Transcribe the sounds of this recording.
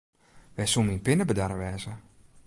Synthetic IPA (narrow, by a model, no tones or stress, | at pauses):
ʋɛsuminpɪnəbədaɾəʋɛːzə